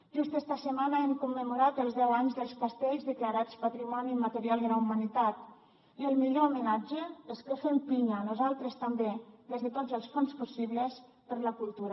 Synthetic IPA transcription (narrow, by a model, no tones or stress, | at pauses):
ʒ̥ust̪ɛst̪əsəmanaɛmkumːəmuɾat̪əlˠzðɛwaɲzðəlˠskast̪eʎzðəklaɾat͡spat̪ɾimɔnimat̪əɾialˠd̪əlaumanit̪at̪ | iəlˠmiʎoumənad͡ʒəeskəfempiɲanuzalˠt̪ɾəst̪ambeðezðət̪od͡zəlˠsfonspusiβləs | pəɾləkulˠt̪uɾa